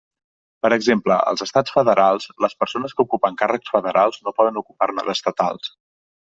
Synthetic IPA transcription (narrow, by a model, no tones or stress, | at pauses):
pəɾəɡzempləə̰lˠzəst̪at͡sfəðəɾʔalˠsləspəɾsonəskəukupəŋkarəksfəðəɾʔalˠznopɔðənukupaɾnə̰ðəst̪ət̪a̰lˠs